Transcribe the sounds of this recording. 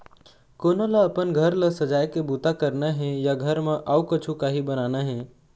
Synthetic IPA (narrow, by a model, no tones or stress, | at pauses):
koːnoləːpənɡʱəɾlɐsɐd͡ʒaːjkebuːt̪akəɾnaɦɛ̃jaɡʱəɾmẽʔaukət͡ʃʰukaɦibənaːnaɦɛ̃ː